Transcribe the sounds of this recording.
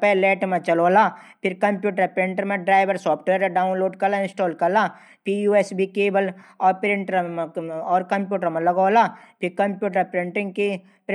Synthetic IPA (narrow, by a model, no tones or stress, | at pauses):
peleːʈmẽt͡ʃɐloːlaːpʰɪɾkɐmpjuːʈəɾpɾẽɳʈəɾmẽɖɾaːɪʋɐɾsɔːpʰʈʋeːɾɖaːʊnloːɖkɐɾlaɪ̃nsʈoːlkɐɾla | pʰijuːesbʱikeːbəlɔːɾpɪɾɪ̃ɳʈɾɔːɾkɐmpjuːʈəɾmɐ̃lɐɡoːlapʰɪɾkɐmpjuːʈəɾpɾeɳʈɪ̃ŋɡki | p